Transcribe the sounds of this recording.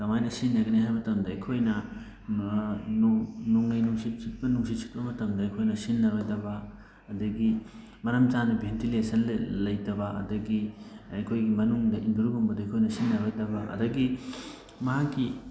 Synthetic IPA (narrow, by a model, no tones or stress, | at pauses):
tɐmajnɐsinːɐɡɐniɦajmɐtɐmdɐɐjkʰojnɐ | nuŋnɐjnuŋsitsit̚bɐnuŋsit̚sʰi̥t̚bɐmɐtɐmdɐːjkʰojnɐsinːɐɾojdɐbɐː | dɐɡi | mɐɾɐmt͡ʃanubʱentilesɐnlɐjtɐbɐɐ̰dɐɡiɐjkʰojɡimɐnuŋdɐʔinduɾɡumbɐdɐɐjkʰojnɐsinːɐɾojtɐbɐʔɐ̰dɐɡi | mɐɦakːi